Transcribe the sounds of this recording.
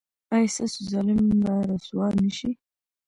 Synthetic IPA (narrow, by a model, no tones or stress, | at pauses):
ajsasʊzalɪmbaɾaswɑnəʃi